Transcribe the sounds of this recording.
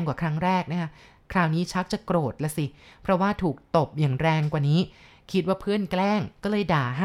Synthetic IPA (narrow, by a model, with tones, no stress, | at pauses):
ŋkwaː˨˩kʰɾa˦˥ŋɾɛː˥˩k̚na˦˥kʰa˦˥ʔ | kʰɾaː˧˩wniː˦˥t͡ɕʰa˦˥k̚t͡ɕa˨˩kɾoː˨˩t̪̚lɛ˧˥si˨˩pʰɾɔ˦˥waː˥˩t̪ʰuː˨˩k̚t̪o˨˩p̚jaː˨˩ŋɾɛː˧ŋkwaː˨˩niː˦˥ | kʰi˦t̪̚waː˥˩pʰɯ˥˩ənklɛː˥˩ŋkɔː˥˩lɤː˧jdaː˨˩ɦa˥